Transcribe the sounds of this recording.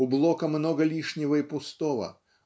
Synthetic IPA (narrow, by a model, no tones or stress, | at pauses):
ublˠɔkɐmnɔɡɐlʲiʂnʲɪvɐipʊst̪ɔvɐ̰